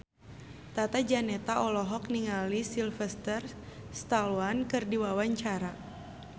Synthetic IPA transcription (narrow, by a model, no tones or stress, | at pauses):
t̪at̪ad͡ʒanɛt̪aʔɔlɔɦɔk̚niŋalisilfɛst̪ərst̪alwankɨrdiwawaɲt͡ʃaɾa